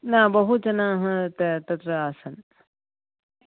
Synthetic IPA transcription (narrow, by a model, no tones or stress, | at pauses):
nabɐɦut͡ʃɐnaːɦɐ̃t̪ɐt̪ɐt̪ɾɐaːsɐn